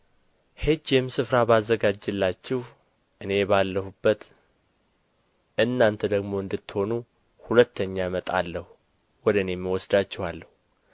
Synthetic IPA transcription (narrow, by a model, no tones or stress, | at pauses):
hed͡ʒjɛmsɨfɾabazːəɡad͡ʒːɨlːat͡ʃːɛh | ʔɨne̞balːəhubːət̪ | ʔɨnːant̪ʰəd̪əɡmo̞ɨnd̪ɨt̪ːho̞nu | hulət̪ʰːəɲːamət̪ʼa̰lːəhu | wɔd̪ɨnemːiwɔsd̪at͡ʃːɛhalːəhu